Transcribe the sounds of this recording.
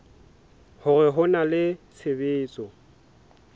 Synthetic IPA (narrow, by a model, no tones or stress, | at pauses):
hʊrɛɦʊnalɪt͡sʰɪbɪːt͡sʼɔ